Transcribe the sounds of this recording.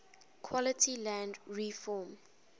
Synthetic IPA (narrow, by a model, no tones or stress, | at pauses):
kʰwɔlətʰilãndɹifɔːm